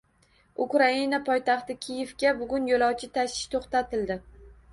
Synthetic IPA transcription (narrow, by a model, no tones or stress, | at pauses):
ʊkɾainapʰɒjt̪ɑχt̪ɪkʲʰijevkʲabʊɡʲʊnjolɒwt͡ʃʰɪt̪ʰaʃɪ̥ʃt̪ʰoχt̪at̪ʰɪld̪ɪ